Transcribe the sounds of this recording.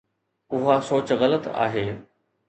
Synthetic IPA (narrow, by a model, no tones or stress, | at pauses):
ʊɦasoːt͡ɕɣɐlət̪a̰ːɦeː